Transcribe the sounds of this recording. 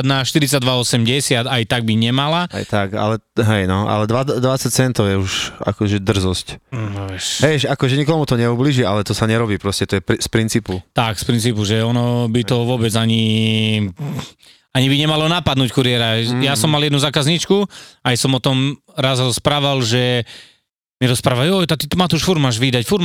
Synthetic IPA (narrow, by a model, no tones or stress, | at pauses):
d̪naʃt̪iɾit͡sad̪ʋaɔsɛmɟɛsɪad̪ajt̪aɡ̚biɲɛmalaa̰jt̪aka̰lɛɦɛjnɔa̰lɛd̪ʋad̪ʋat͡sac̚t͡sɛnt̪ɔjɛuʃa̰kɔʒɛd̪r̩zɔscɛʃɦɛʃakɔʒɛɲikɔmut̪ɔɲɛubliʒialɛt̪ɔsaɲɛɾɔbiːpɾɔscɛt̪ɔjɛpispɾint͡siːput̪akspɾint͡siːpuʒɛɔnɔbit̪ɔʋʊɔbɛd͡zaɲi | aɲibiɲɛmalɔnapad̪nuːckuɾɪɛɾajasɔmːaljɛd̪nuzaːkazɲit͡ʃkuajsɔmɔt̪ɔm | ɾazɾɔspɾaːʋalʒɛ | miɾɔspɾaːʋajɔjt̪at̪it̪ɔmat̪ɔuʃfuɾmaːʒʋiːd̪acfuɾ